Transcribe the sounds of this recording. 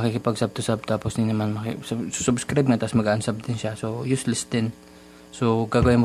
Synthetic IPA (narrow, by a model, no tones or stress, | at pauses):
ɐkikɪpɐɡsab̚t̪ʊsab̚t̪aːposninɐmanmɐkssu̥sʊbskɾajb̚ŋat̪ɐsmɐɡaːʔɐnsab̚d̪ɪnʃasojuslɛst̪ɛn | soɡaːɡɐwɪnmo